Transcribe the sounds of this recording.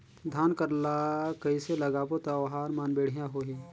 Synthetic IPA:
d̪ʱaːnkəɾlakɐiselɐɡapot̪aʋɦaːɾmaːnbeːɽ̤ijaɦoɦeː

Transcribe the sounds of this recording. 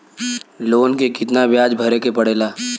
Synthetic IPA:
loːnkekɪt̪nabjaːd͡ʒbʱɐɾekepɐɽeːlaː

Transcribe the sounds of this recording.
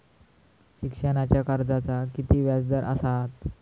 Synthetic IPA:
ɕikʂənat͡ɕjakaɾd͡zat͡sakit̪iːʋjad͡zd̪əɾʔə̰sat̪

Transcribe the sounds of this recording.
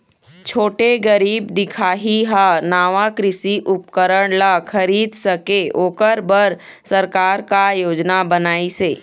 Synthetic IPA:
t͡ʃʰoːʈeɡəɾiːbd̪ɪkʰaːɦiɦanaːʋakɾɪsiʔʊp̚kəɾəɽ̃lakʰəɾiːd̪səkeoːkəɾbəɾ | səɾkaːɾkajoːd͡ʒnabənaːiseː

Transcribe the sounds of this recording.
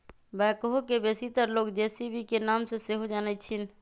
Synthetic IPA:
bɛːkoɦokebeːsit̪əɾloːɡd̪eːsibʱikenaːmseseɦod͡ʒaːnɛt͡ʃʰin

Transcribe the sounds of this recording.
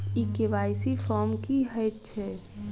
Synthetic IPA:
ikeʋajsifʰɔɾmkiɦəjt̪̚t͡ʃʰɛ

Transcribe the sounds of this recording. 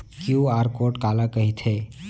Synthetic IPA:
kjuaːɾkoːʈkaːlakəɦit̪ʰe

